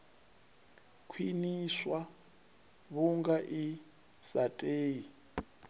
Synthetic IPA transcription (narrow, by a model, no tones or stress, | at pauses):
kʰwiniswa | βuŋɡaʔi | satʼeːji